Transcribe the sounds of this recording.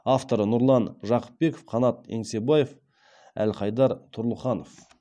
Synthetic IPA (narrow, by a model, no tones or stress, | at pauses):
ɑft̪o̞ɾənʊɾlˠɑnʒɑqə̥p̚be̞kofqʰɑnɑt̪̚eŋse̞bɑjef | æ̰lqʰɑjd̪ɑɾt̪ʰʊɾlˠəχɑno̞f